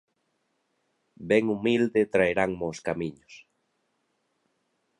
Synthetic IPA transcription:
beŋumild̪et̪ɾaeɾaŋmoskamĩɲos

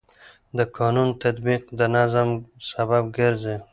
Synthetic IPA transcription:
d̪əkʰɑnunt̪at̪biqd̪ənazamsabab̚ɡɪɾze

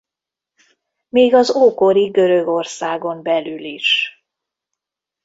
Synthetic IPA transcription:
meːɡɒzoːko̞ɾiɡø̞ɾøɡo̞rsaːɡo̞mbɛlyliʃ

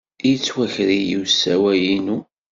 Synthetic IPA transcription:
jit͡sːwæçɾijiwsːæwæjinu

